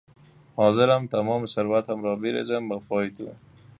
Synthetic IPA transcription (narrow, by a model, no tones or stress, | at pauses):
hɔzɪɾamt̪amɔmsaɾwat̪hamɾɔbɪɾḛzəmbəpɔjt̪ṵ